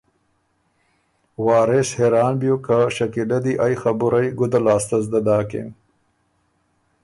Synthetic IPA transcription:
wɑːɾesheɾɑːnbjukaʃɐkilad̪iʔajxɐbuɾajɡʊd̪alaːst̪ɐzd̪ad̪ɑːkḛm

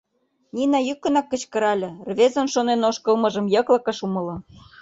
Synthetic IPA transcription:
nʲinɑjykːə̆nɑkːə̆t͡ɕkə̆ɾɑlʲɤ̆rβezənʃonenoʃkə̆lmɤ̆ʒə̆mjɤ̆klɤ̆kə̆ʃumɤ̆lɤ̆

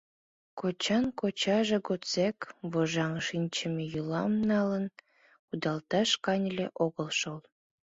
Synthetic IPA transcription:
kot͡ɕɑnkot͡ɕɑʒeɡot͡sekβoʒɑŋʃinʲt͡ɕəmejulɑmnɑlən | kud̪ɑlt̪ɑʃkɑnʲlʲeʔoɣəlʃol

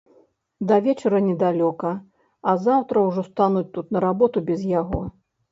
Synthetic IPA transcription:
d̪ɐvʲɛt͡ʂɐɾɐnʲɛd̪alʲɔkɐ | ɐzawt̪ɾɐwʐɔst̪anut͡sʲt̪ut̪nɐɾabɔt̪ubʲɛzjaɣɔ

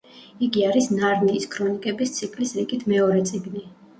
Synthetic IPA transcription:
iɡiaɾisnaɾniːskʰɾɔnikʼɛbist̪sʰikʰʼlisɾiɡit̪ʰmɛɔɾɛt̪sʼiɡni

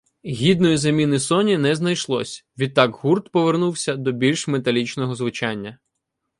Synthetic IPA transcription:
ɦʲid̪nɔjizɐmʲinɪsɔnʲinɛznɐjʃlˠɔ̰sʲʋʲid̪̚t̪ːɑɡɦurt̪pɔʋernuwsʲɐd̪ɔbʲilʲʃmet̪ɐlʲit͡ʃnɔɦɔzʋʊt͡ʃɑnʲːɐ

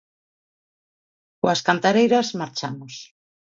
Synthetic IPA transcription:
koaskant̪aɾejɾazmaɾt͡ʃamos

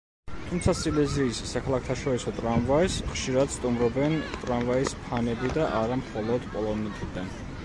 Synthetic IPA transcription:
t̪ʰumt̪sʰasilɛziːsːakʰalˠakʰt̪ʰaʃɔɾisɔt̪ʼɾanvaisχʃiɾad̪̥st̪ʼumɾɔbɛnt̪ʼɾanvaispʰanɛbid̪aʔaɾamχɔlˠɔd̪pʼɔlˠɔnɛt̪ʰʼid̪ɛn

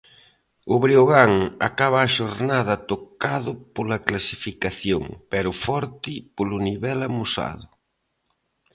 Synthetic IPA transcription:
ʊβɾioɣaŋa̰kaβaːʃoɾnaðɐt̪okaðʊpolɐklasifikaθjoŋpɛɾʊfɔɾt̪ɪpolʊniβɛlamusa̰ðʊ

